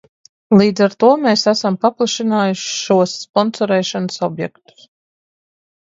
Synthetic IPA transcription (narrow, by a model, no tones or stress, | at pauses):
lˠiːd̪zaɾt̪uɔmeːsæsampaplˠaʃinaːjuʃʃuɔsːpɔnsɔɾɛːʃanəsɔbjɛkt̪u̥s